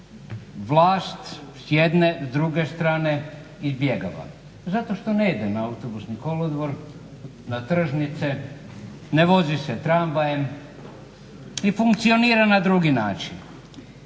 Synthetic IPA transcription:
ʋlˠaːst̪sjed̪nezd̪ɾuɡe̞st̪ɾaːne̞ | izbje̞ɡa̰ʋa̰ | zat̪o̞ʃt̪o̞neid̪enaawt̪obusniko̞lod̪ʋoɾ | nat̪r̩ʒnit̪se | neʋo̞ziset̪ɾambajem | ifuŋkt̪sio̞niːɾanad̪ɾuɡinaːt͡ʃin

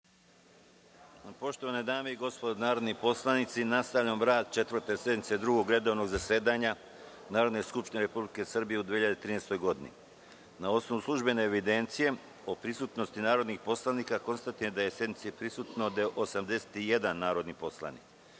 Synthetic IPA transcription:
po̞ʃt̪o̞ʋaned̪aːme̞iɡo̞spod̪onaːɾo̞d̪nipo̞slˠanit̪sinast̪aʋʎamɾaːd̪̚t͡ʃe̞t̪ʋr̩t̪e̞sje̞d̪nit̪sed̪ɾuɡo̞ɡɾe̞d̪o̞ʋno̞ɡzase̞ːd̪aɲa | naːɾo̞d̪ne̞skupʃt̪ineɾe̞publike̞sr̩bije̞ud̪ʋihiʎad̪et̪ɾiːneːst̪o̞jɡo̞d̪inḭ | nao̞sno̞ʋuslˠuʒbe̞ne̞ːʋid̪e̞nt̪sije̞ | opɾisut̪no̞st̪inaːɾo̞d̪nixpo̞slˠanikako̞nst̪at̪ijed̪aje̞sjed̪nit̪sipɾisuːt̪nod̪aʔosamd̪e̞se̥t̪ije̞d̪anːaːɾo̞d̪nipo̞sla̰nḭk

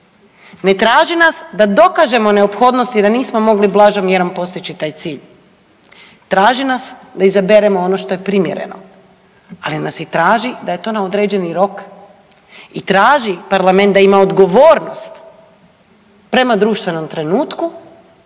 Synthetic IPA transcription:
ne̞t̪ɾaːʒinasd̪ad̪o̞kaʒe̞mo̞ne̞opxo̞ːd̪no̞st̪id̪aniːsmo̞mo̞ɡliblˠaːʒomjeɾompo̞st̪it͡ɕit̪aːjt̪siːʎ | t̪ɾaːʒinasd̪aizabeɾemo̞ono̞ʃt̪o̞je̞pɾimjeɾḛno̞̰ | alinasjit̪ɾaːʒid̪aje̞t̪o̞ːnaod̪ɾeːd͡ʑe̞niɾo̞k | it̪ɾaːʒipaɾlame̞nt̪d̪aimaod̪ɡo̞ʋoːɾno̞st̪ | pɾe̞mad̪ɾuːʃt̪ʋe̞no̞mt̪ɾe̞nuːt̪ku

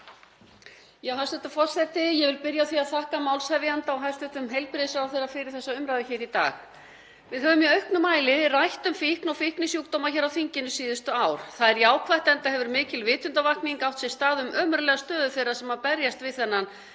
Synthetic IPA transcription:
jɛɣhasɛt̪afɔrsθɛt̪ːɪjɛvɪlpɪɾjaθiaðθahkamawlshɛvjant̪awɦajst̪ɛt̪ʏmɦejlpɾɪsawθejɾafɪɾɪɾ̥θɛsːaʏmɾajðɪçɛːɾit̪a̰ːx | vɪðɦœːvʏmjɛœɥhknʏmaːjlɪrajht̪ʏmfihknawfihknɪsjuwkt̪oːwmaçɛːɾawθiɲcɪnʏsiːðʏst̪ʏaːwɾ̥θaðɛɾjaːwkʰvajht̪ɛnt̪ahɛvʏɾmɪːcɪlvɪːt̪ʏnt̪avahkniŋkawht̪sɛɣst̪aːðʏmœːmʏɾlɛɣast̪œːðʏθejɾasɛmhaðpɛɾjast̪vɪðθɛnːan

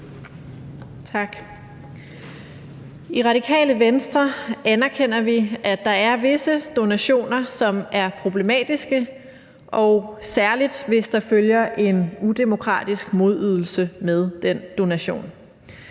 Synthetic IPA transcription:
t͡sʰɑ̈ɡ̥ | iʁɑ̈ɾikʰɛ̰ːləʋensd̥ʁɐænæɐkʰen̰ɐʋiʔæd̥ɑ̈æɐʋe̝səd̥o̝næɕo̝̰ːnɐsɒ̽mæɐpʰʁo̝b̥le̝mɛ̰ːd̥isɡ̥ə | ʔɒ̽ʊsæɐlid̥ʋe̝sd̥ɑ̈føljɐʔe̝nud̥e̝mo̝kʰʁɑ̰̈ːd̥isɡ̥mo̝ðˠyð̞ˠl̩səmeð̞ˠd̥en̰d̥o̝næɕo̝̰ːn

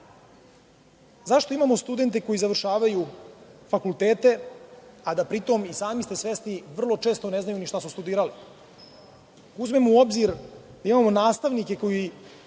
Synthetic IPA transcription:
zaʃt̪o̞imamo̞st̪ud̪e̞nt̪e̞ko̞jizaʋr̩ʃaːʋajufakult̪eːt̪e̞ | ad̪apɾit̪o̞misaːmist̪e̞sʋesniʋr̩lˠo̞t͡ʂe̞ːst̪o̞ne̞znajuniʃt̪asust̪ud̪iːɾali | uzme̞mouo̞bziɾd̪aimamo̞naːst̪aʋnike̞ko̞ji

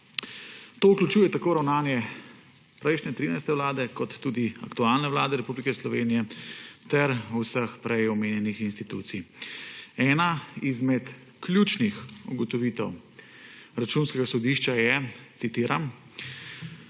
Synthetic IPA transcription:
t̪oːuklʲut͡ʃuːjɛt̪akoːɾawnaːnjɛ | pɾɛjʃnʲɛt̪ɾiːnajst̪ɛwlaːd̪ɛkɔt̪ːuːd̪iakt̪uaːlnɛʋlaːd̪ɛɾɛpublikɛslɔʋeːnijɛt̪ɛɾusəxpɾɛjɔmeːnjɛnixinst̪it̪ṵːt̪si | ɛːnaizmɛt̪ | kljuːt͡ʃnixuɡɔt̪ɔʋiːt̪ɛw | ɾat͡ʃunskɛɡasɔd̪iʃt͡ʃajɛsit̪iːɾam

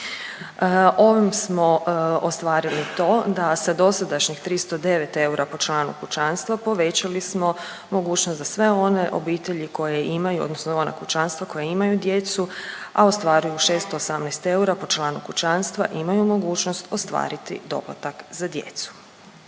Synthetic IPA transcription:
o̞ʋimsmo̞ost̪ʋaːɾilit̪o̞ːd̪asad̪o̞sad̪aʃɲixt̪ɾist̪o̞d̪e̞ʋe̞t̪e̞uɾʔapo̞t͡ʃlˠaːnṵkut͡ʃanst̪ʋapo̞ʋe̞t͡ɕalismo̞ | mo̞ɡuːt͡ʃnost̪zasʋe̞o̞ne̞ʔo̞̰biːt̪eʎiko̞jeimajuod̪nosnoona̰kut͡ʃanst̪ʋako̞jeimajud̪je̞t̪sua̰ost̪ʋaːɾujuʃe̞ːst̪oːsamnɛst̪e̞uɾapo̞t͡ʃlˠaːnukut͡ʃanst̪ʋa̰ʔimajumo̞ɡuːt͡ʃnost̪o̞st̪ʋa̰ːɾit̪ḭd̪o̞̰plˠa̰t̪akzad̪jḛt̪su̥

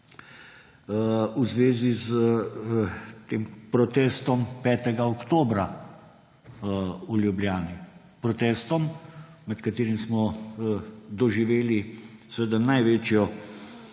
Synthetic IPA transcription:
uzʋeːziz | t̪eːmpɾɔt̪ɛːst̪ɔmpɛːt̪ɛɡaɔkt̪oːbɾa | uljubljaːni | pɾɔt̪ɛːst̪ɔm | mɛt̪kat̪eːɾimsmɔ | d̪ɔʒiʋeːlisʋeːd̪anajʋeːt͡ʃjɔ

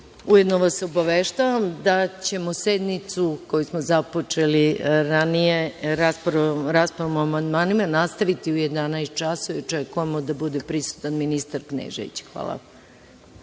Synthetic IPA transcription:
uje̞d̪noʋasobaʋeʃt̪aʋamd̪at͡ɕe̞mo̞sed̪mit̪suko̞jusmozapo̞t͡ʃe̞liɾanije̞ɾaspɾɾaːspoɾomoamand̪maːnimanast̪aʋit̪iuje̞d̪anaest̪̚t͡ʃasoʋḭot͡ʃekujemod̪abud̪e̞pɾisu̥t̪anminist̪aɾknḛʒḛḭt͡ɕe̥xʋa̰ːlˠa̰

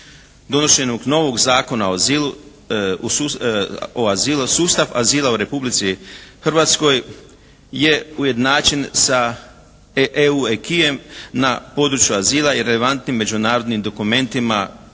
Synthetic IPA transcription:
d̪o̞noʃe̞noɡno̞ʋo̞ɡzaːko̞naozilu | oazilusuːst̪aʋaziːlˠauɾe̞publit̪sixrʋat̪sko̞j | je̞uje̞d̪naːt͡ʃinsa | ʔeuekiemnapo̞d̪ɾut͡ʃjuaziːlˠaiɾe̞le̞ʋant̪nimːe̞d͡ʑunaːɾo̞d̪nimd̪o̞kume̞nt̪ima

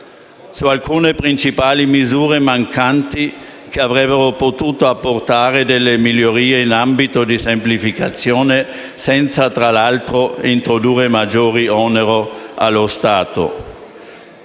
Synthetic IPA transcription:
sualkuːnepɾint͡ʃipaːlimizuːɾemaŋkant̪i | keavɾɛbːeɾopot̪uːt̪oapːort̪aːɾed̪elːemiljoɾiːeinambit̪od̪isemplifikat̪sjoːne | sɛnt̪sat̪ɾalalt̪ɾoint̪ɾod̪uːrːemad͡ʒoːɾiɔneɾoa̰lːost̪aːt̪o̰

